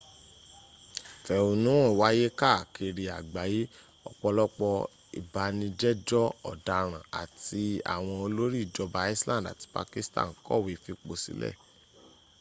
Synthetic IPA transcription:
fɛ˨o˧nũ˦i˨wa˦je˦ka˦˨kʰe˧ɾi˧a˨ɡ͡ba˨˦ji˦ | ɔ̰˧k͡pɔ˧lɔ˦k͡pɔ˧ | ḭ˨ba˧nĩ˧d͡ʒɛ˦d͡ʒɔ˦ɔ̰˦˨da˨ɾ̃ã˨a̰˨ti˧a̰˨w̃ɔ̃˧o˧lo˦ɾi˦˨d͡ʒɔ˧ba˧i˦slã˦˨da̰˨ti̥˧pa̰˧ki˦stã̰˦˨n˨kɔ̰˦˨wi˧fi˧k͡po˧sḭ˦lɛ̰˦˨

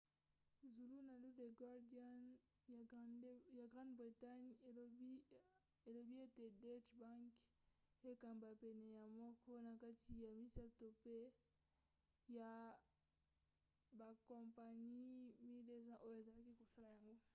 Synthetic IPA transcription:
zu˨lu˦na˨lu˦de˨ɡwa˦ʁda˦n | ja˨ɡʁã˦ndbʁi˨ta˦ɲ˨ | e˨lo˨bi˦e˦te˨de˦t͡ʃbã˦ŋk | e˦ka˨mba˨pɛ˨nɛ˨ja˨mɔ˦kʰɔ˦na˨ka˦ti˨ja˨mi˦sa˦to˨pe˦ | ja˨ | ba˨kɔ̃˨mpa˨ni˦mi˦de˦sã˦ʔo˦jo˨e˨za˨la˦ki˦ko˨sa˦la˨ja˨ŋɡo˦

